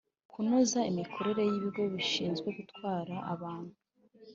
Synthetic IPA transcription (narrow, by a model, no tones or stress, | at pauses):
kunozaimikʰo̞ɾe̞ɾe̞jiβiɡo̞βiʃiːnzɡwe̞ɡutkwaːɾaa̰βaːn̥hu